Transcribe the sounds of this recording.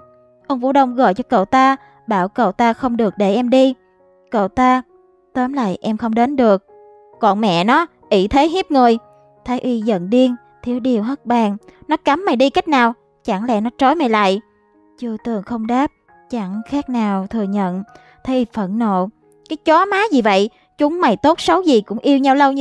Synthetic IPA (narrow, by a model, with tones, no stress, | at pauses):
ʔə˧wŋ͡mfṵ˧˥ɗə˧wŋ͡mɣo̰˧˨jt͡ɕɔ˧kə̰˧˨wt̪aː˧ | ɓaː˧˩wkə̰˧˨˩wt̪aː˧xə˧wŋ͡mɗɨ˨˩ək̚ɗe˧˩ʔɛ˧mɗi˧ | kə̰˧˨wt̪aː˧ | t̪əː˨˦mla̰ː˧˨jʔɛ˧mxə˧wŋ͡mɗe˨˦nɗɨ˨˩ək̚ | kɔ˧˩nmɛ̰˧˨nɔ˨˦ | ʔi˧˩t̪ʰe˨˦ɦi˦˥p̚ŋɨ˨˩əj | t̪ʰaː˨˦jʔi˧zə̰˧˨nɗi˧əŋ | t̪ʰi˨˦əwɗi˨˧˩əwɦə˦˥t̚ɓaː˨˩ŋnɔ˨˦ka˨˦mːa˨˩jɗi˧ka˦˥jk̟̚naː˨˩w | t͡ɕa˧˩ŋlɛ̰˧˨nɔ˨˦t͡ɕo˨˦jma˨˩jla̰ː˧˨j | t͡ɕɨ˧ət̪ɨ˨˩əŋxə˧wŋ͡mɗaː˦˥p̚ | t͡ɕa˧˩ŋxaː˦˥k̚naː˨˩wt̪ʰɨ˨˩əɲə̰˧˨n | t̪ʰə˨˦jʔi˧fə˧˩nno̰˧˨ | kaː˨˦jt͡ɕɔ˨˦maː˨˦zi˨˩və̰˧˨j | t͡ɕʊ˨˦ŋ͡mma˨˩jt̪o˦˥t̚sə˨˦wzi˨˩kʊ̰˧˥ŋ͡mʔi˧əwɲa˧wlə˧w